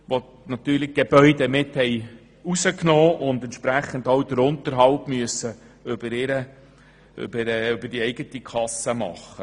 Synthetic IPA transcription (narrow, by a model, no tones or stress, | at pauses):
ʋo | nɑt̪yːɾlɪɡ̥eb̥œʏdɛmɪthɛj | usəknoːʔʊndɛntʃpɾæχən̩dowd̥̪əɾʊnt̪əɾɦɑlpmyəsə | ʏb̥əɾɪɾə | ʏ̰bəɾʏbəɾd̥iɛɪɡ̥ətikʰɑsːəmɑ̰χə